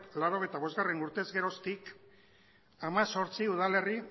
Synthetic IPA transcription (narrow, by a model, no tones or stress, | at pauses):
laɾo̞ɣ̞ejt̪aβo̞zɣare̞nuɾt̪e̞zɣe̞ɾo̞st̪ik | amaso̞ɾt͡siuð̞ale̞ri